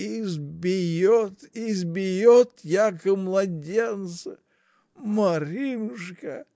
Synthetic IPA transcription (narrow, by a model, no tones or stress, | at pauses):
ɪzbʲɪjot̪ɪzbʲɪjot̪jakəmlˠɐdʲent̪sɨ | mɐɾʲimʂkə